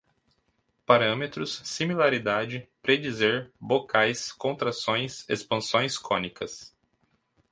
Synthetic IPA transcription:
paɾɐ̃met̪ɾʊsːimilaɾid̪ad͡ʒɪpɾed͡ʒizeɾbokʰajskõnt̪ɾasõj̃sḛspɐ̃sõj̃skõnikɐs

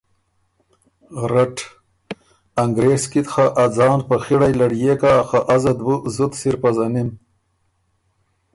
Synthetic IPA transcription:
ɾaʈ | aŋɡɾeːskit̪xaʔad͡zɑːnpaxiɽajlaɽjekaxaʔazad̪wuzut̪siɾpazanim

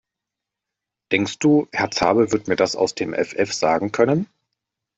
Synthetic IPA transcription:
d̥ɛŋkst̚d̥uːhɛɐt͡saːbəvɪɐtmiːɐdasa̰ʊsd̥eːmʔɛ̰fʔɛfz̥aːɡŋ̩kʰœnən

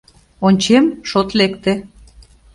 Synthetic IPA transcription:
onʲt͡ɕemʃot̪lekt̪ĕ

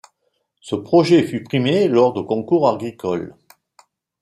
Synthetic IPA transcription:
səpχɔʒɛfypχimelɔʁd̪əkɔ̃kuʁaʁɡʁikɔl

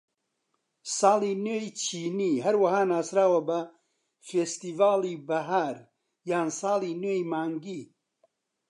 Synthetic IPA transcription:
sɑːlˠinejt͡ʃʰiːniːɦɐɾwɐɦaːnaːsɾaːwɐbɐ | feːst̪iːvaːlibɐɦaːɾ | jaːnsɑːlˠineːjmaːŋɡiː

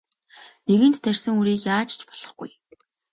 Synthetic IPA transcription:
neɣɘ̆nt̪ːærʲsɘ̆ŋuɾiːkjaːt͡ɕt͡ɕpɔ̥ɮ̥ɞ̆χɡuj

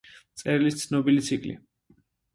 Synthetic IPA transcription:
t̪sʼɛɾilist̪sʰnɔbilit̪sʰikʼlḭ

